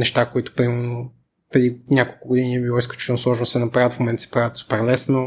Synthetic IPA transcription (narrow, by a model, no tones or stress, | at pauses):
nɛʃt̪akoit̪ʊ̥pɾimɛɾno | pɾɛd̪inʲjakolˠkʊɡod̪iniɛbilˠɔisklʲut͡ʃi̥t̪ɛnoslˠɔʒnosɛnɐpɾaət̪fmomɛnt̪sɛ̥pɾavət̪su̥pɛɾlɛsno